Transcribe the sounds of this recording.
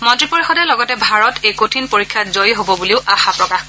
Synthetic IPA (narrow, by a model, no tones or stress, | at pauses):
mɔntɹipoɹixɔdɛlɔɡɔtɛbʱaɹɔtejkotʰinpoɹikʰːjazojɦobɔbuliʊʔaxapɹɔka